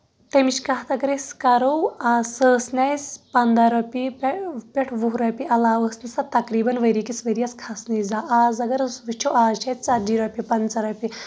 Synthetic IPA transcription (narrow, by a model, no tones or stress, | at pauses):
t̪emiʃkɐɦt̪ɐkɾeskɐɾowaːsəːsnʲɐjspɐnd̪ɐɾɐpippʲeʈʰʋuɦɾɐpiɐlaːʋəsnisɐt̪ɐkɾiːbɐnʋɐɾikisʋɐɾijɐskʰɐsnɐjzaːʔaːzɐɡɐɾsʋit͡ʃʰoaːt͡ʃʰɐt͡sad͡ʒiːɾɐpʲipɐnt͡sɐɾɐpi